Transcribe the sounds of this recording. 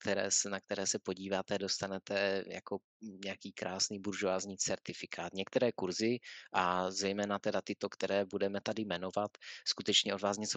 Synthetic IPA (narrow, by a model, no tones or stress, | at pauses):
kt̪ɛɾɛ̰ːsɛnak̚t̪ɛɾɛːsɛpo̞ɟiːvaːt̪ɛdo̞st̪anɛt̪ɛja̰ko̞ | ɲɛakiːkɾʔaːsniːbuɾʒoaːzɲiːt͡sɛɾt̪ɪfɪkʰaːt̪ɲɛkt̪ɛɾɛːkuɾzɪʔazɛjmɛːnat̪ɛdat̪ɪt̪o̞kt̪ɛɾɛːbudɛmɛt̪adɪmɛno̞vat̪skut̪ɛt͡ʃɲɛʔo̞dvaːsɲɛt͡so